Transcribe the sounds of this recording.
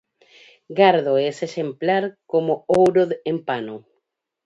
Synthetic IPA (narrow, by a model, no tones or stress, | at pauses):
ɡaɾðoeseʃemplaɾkomoowɾoðempano